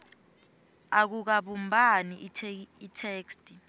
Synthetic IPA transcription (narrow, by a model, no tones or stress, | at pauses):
ak̬uk̬aɓumbʱaniitʰeːkstʼi